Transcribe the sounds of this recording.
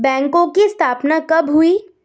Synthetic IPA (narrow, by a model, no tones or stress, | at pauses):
bɛ̃ːŋkõkiɪst̪ʰaːpnakɐbɦʊiː